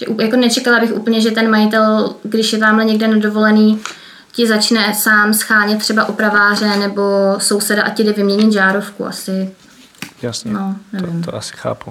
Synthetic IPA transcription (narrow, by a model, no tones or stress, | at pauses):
ʒɛʔujako̞nɛt͡ʃɛkalabɪxʔṵːpl̩ɲɛʒɛt̪ɛnmajɪt̪ɛlɡdɪʃjɛt̪aːmlɛɲɛɡ̚dɛnado̞vo̞lɛniː | cɪzat͡ʃnɛsaːmsxaːɲɛt̪̚ːr̝̥ɛbaʔopɾavaːr̝ɛnɛbo̞so̞wsɛdaʔacɪdɛvɪmɲɛɲɪt̪ʒaːɾo̞fkṵʔa̰sɪ | nonɛvɪmt̪asɪ̥xa̰ːpu